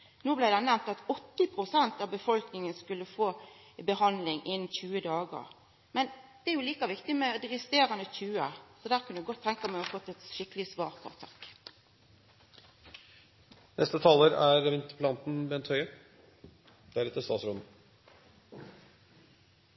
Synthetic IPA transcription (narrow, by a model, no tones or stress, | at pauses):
noːblæɪd̪ɛnæmt̪ɑt̪ɔt̪ːɪpʰʁʊsɛnt̪ɑbəfɔlknɪŋənskʉlːəfoː | bəhɑnd̪lɪŋʔɪnn̩çʉːəd̪ɑːɡə̰ʁ | mɛnd̪̥ɛæɾjʊliːkɑʋɪkt̪ɪmɛd̪ɪɾəst̪eːɾɑnəçʉːə̰sɔd̪æːʁkʰʉnəd̪ʉɡɔt̪ʰːɛŋkɑmæɪɑfɔt̪ːɛt̪ʃɪkəlɪsʋɑːʁpʰɑ̰ʁt̪ʰɑk | nʔɛst̪ət̪ʰɑːləɾæɾʋɪnt̪əɾpʰlɑnt̪n̩bɛnt̪ʰhœʏə | d̪̥æɾɛt̪ːəst̪ɑːt̪sɾɔːd̪n̩